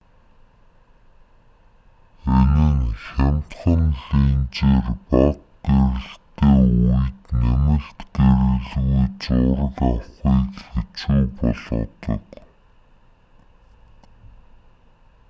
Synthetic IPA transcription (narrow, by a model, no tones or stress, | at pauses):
enɘ̆ŋxæm̥ʲt̪χə̆nɮiːnt͡ɕeːrpɔt̪̚ɡeɾɘ̆ɬt̪eːujt̪næmɘ̆ɬt̪ɡeɾɘ̆ɣɮɣujt͡ɕʊɾə̆ɣɔχiːkxet͡ɕuːpɔɮɞ̰̆t̪ɞ̰̆k